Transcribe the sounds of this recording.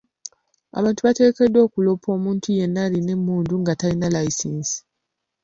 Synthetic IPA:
a̰βaːntuβate̞ke̞dːo̞ːkulo̞pʰo̞ːmuːntʰuje̞nːaline̞mːuːnduŋɡatalinalaisiːnsi̥

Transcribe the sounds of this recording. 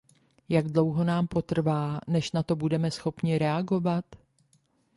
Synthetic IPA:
jaɡdlo̞wɦo̞naːmpo̞t̪r̩vaːnɛʃnat̪o̞budɛmɛsxo̞pɲɪɾɛaɡo̞vat̪

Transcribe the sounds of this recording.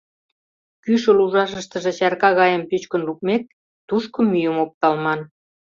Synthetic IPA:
kyʃə̆luʒɑʃəʃt̪ə̆ʒĕt͡ɕɑrkɑɣɑjə̆mpyt͡ɕkə̆nluk̚mek̚ | t̪uʃkŏmːyjə̆mop̚t̪ɑlmɑn

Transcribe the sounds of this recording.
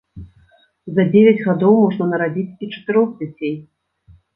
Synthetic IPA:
zɐd͡zʲevʲɛd͡zʲɣad̪ɔwmɔʐnɐnɐɾad͡zʲit͡sʲit͡ʂɐ̥t̪ɨɾɔɣd͡zʲat͡sʲej

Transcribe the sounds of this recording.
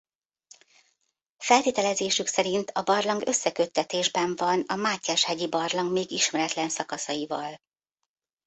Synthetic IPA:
fɛlt̪eːt̪ɛlɛzeːʃyksɛɾint̪ʰɒbɒrlɒŋɡø̞sːɛkø̞t̪ːɛt̪eːʒbɛɱvɒnɒmaːcːaːʃhɛɟibɒrlɒŋɡmeːɡiʃmɛɾɛt̪lɛnsɒkɒsɒjivɒl

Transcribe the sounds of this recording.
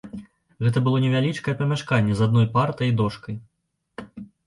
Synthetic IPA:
ɣɛt̪ɐbɨlˠɔnʲɛvʲalʲit͡ʂkɐjɛpɐmʲaʂkanʲːɛzad̪̚nɔjpart̪ɐjd̪ɔʂkɐj

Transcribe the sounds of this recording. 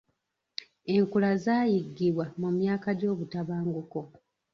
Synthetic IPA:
e̞ŋkulazaːjiɡːiβwamumjaːkaɟo̞ːβutaβaːŋɡuko̞

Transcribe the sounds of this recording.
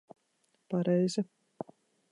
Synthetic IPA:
paɾɛjzʲi

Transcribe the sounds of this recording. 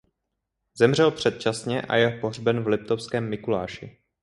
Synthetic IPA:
zɛmr̝ɛlpr̝̥ɛt̪̚t͡ʃasɲɛʔa̰jɛɦpoɦr̝bɛnvlɪp̚t̪ofskɛːmːɪkula̰ːʃɪ̰

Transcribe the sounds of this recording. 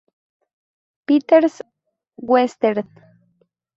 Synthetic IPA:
pit̪eɾs | wwest̪eɾð

